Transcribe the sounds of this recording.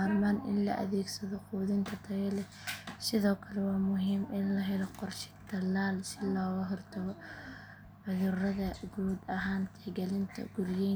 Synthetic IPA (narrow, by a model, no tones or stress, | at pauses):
aːlmaːnɪ̰nlɐ̰ʔɐ̰ðɛːɡsɐðɔquːðɪnt̪ʰɐt̪ʰɐɣɛlɛ | sɪðɔːkʰɐlɛwɑːmʊɦiːmʔɪnlɐɦɛlɔqɔrʃɪ̥t̪ʰɐlaːlsɪlɔːɣɐɦɔrt̪ʰɐɣɔ | ʕʊðʊrɐðɐɡuːd̪ɐɦaːnt̪ʰɛɡɛlɪnt̪ʰɐ̰ɡ̥ʊrjɛ